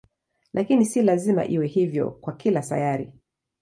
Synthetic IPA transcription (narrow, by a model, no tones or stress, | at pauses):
lʔakinisilazima̰ʔiwɛhivjɔ̰kwakilasa̰jaɾḭ